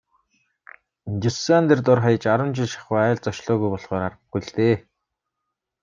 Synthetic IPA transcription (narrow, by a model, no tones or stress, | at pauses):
t͡ɕisant̪ert̪ʊrχajə̆t͡ɕaɾə̆mt͡ɕɪ̆ɮʃḁχwaːæːɮt͡sɔʃɮɔːɣujpɔɮχɔːɾarə̆ɡɡuɮt̪eː